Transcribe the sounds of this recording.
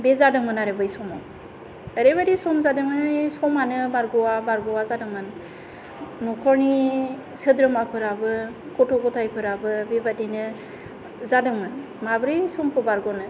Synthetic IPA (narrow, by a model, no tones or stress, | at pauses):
bezadɯŋmɯnaɾebɯjsɔmɔ̰w | eɾebadisɔmzadɯŋmɯsɔmanɯbaɾɡɔwabaɾɡɔwazadɯŋmɯn | nɔkʰɔɾni | sɯdɾɯmapʰɯɾabɯ | kɔtʰɔɡɔtʰajpʰɯɾabɯbebadinɯ | zadɯŋmɯn | mabɾɯjsɔmpʰɯbaɾɡɔnɯ